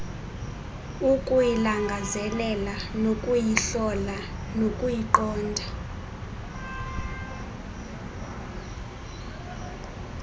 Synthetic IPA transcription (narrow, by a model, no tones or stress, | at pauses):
ukʼujilaŋɡʱazɛlɛlanokʼujiɬɔlanokʼujiǃɔːndʱa